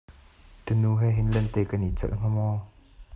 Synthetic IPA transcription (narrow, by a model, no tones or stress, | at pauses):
t̪ənuɦɛɦinlɛnt̪ɛːkɐnit͡sɛ̰lʔŋ̥ɔmɔː